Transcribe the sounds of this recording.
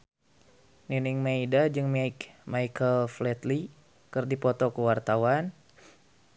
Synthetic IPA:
niniŋmaidad͡ʒɨŋmajkmajkʰəlflɛt̪li | kɨrdipɔt̪ɔkəwart̪awan

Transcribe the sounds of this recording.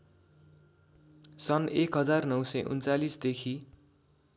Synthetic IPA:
sʌnekɦʌd͡zarnʌwsʌjʔṵnt͡salisd̪ekʰi

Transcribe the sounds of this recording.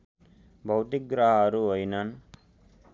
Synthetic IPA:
bʱɐwt̪ik̚ɡɾaːɦaːɾuɔjnan

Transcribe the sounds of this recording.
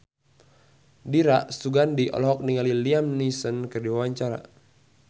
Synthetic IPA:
diɾaʔsuɡandiʔɔ̰lɔɦɔk̚niŋaliliamnisənkərdiwawaɲt͡ʃaɾa̰

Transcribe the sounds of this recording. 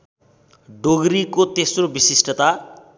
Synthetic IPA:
ɖoɡɾikot̪esrobisisʈʌt̪a

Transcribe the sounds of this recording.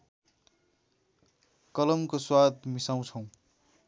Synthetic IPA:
kʌlʌmkoswat̪misaw̃t͡sʰʌ̃w̃

